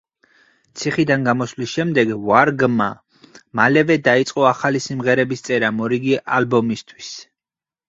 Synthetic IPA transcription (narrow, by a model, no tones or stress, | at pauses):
t̪sʰiχid̪anɡamɔslisʃɛmd̪ɛɡvaɾɡma | malɛvɛd̪ait̪sʼqʼɔaχalisimʁɛɾɛbist̪sʼɛɾamɔɾiɡiʔalbɔmist̪ʰwis